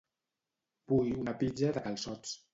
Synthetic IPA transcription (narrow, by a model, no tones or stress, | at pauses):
pujunəpid͡ʒəðəkəlˠsɔt͡s